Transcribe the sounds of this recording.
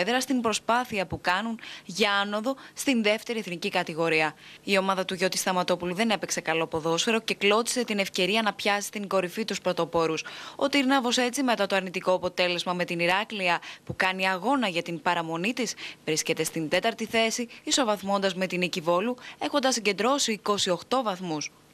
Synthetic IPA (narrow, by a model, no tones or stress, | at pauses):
ðeɾɐst̪imbɾo̞spɐθiɐpukɐnunʝɐɐno̞ðo̞st̪inðe̞ft̪e̞ɾie̞θnicikɐt̪iɣo̞ɾiɐio̞mɐðɐt̪uʝo̞t̪i̥st̪ɐmɐt̪o̞puluðe̞ne̞pe̞kse̞kɐlo̞po̞ðo̞sfe̞ɾo̞ce̞klo̞t̪i̥se̞t̪ine̞fce̞ɾiɐnɐpçɐsist̪iŋɡo̞ɾifit̪uspɾo̞t̪o̞po̞ɾuso̞̰t̪iɾnɐvo̞se̞t͡sime̞t̪ɐt̪oɐɾnit̪iko̞ɐpo̞t̪e̞le̞zmɐme̞t̪iniɾɐkliɐpukɐniɐɣo̞nɐʝɐt̪impɐɾɐmo̞nit̪isvɾisce̞t̪e̞st̪ind̪e̞t̪ɐɾt̪iθe̞siiso̞vɐθmo̞nd̪ɐzme̞t̪inicivo̞lue̞xo̞nd̪ɐsːiɲɟe̞nd̪ɾo̞siːko̞sio̞xt̪o̞vɐθmus